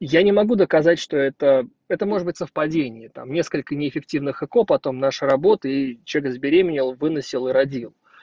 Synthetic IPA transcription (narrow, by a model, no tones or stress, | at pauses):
janʲɪmɐɡud̪əkɐzatʲʂt̪o̞ɛt̪ə | ɛt̪əmo̞ʐɨd̪bɨtʲsəfpɐdʲenʲɪjət̪a̰mnʲe̞skəlʲkənʲɪɪfʲɪk̚tʲivnɨxɨko̞pɐt̪o̞mnaʂɨɾɐbo̞t̪əit͡ɕʲekzbʲɪɾʲemʲɪnʲɪlˠvɨnəsʲɪlˠɨɾɐdʲilˠ